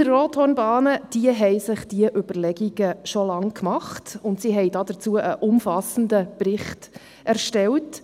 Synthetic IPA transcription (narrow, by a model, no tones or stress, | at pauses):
ərroːthɔnbɑːnəd̥iəɦɛɪsɪχd̥iəʔʏbəɾlɛɡiɡ̥əʃɔlɑŋkʰmɑχtʊntsiɦɛɪdɑːdət͡suəʔəʔʊmfɑsən̩dəprɪχt | æɾʃtɛlt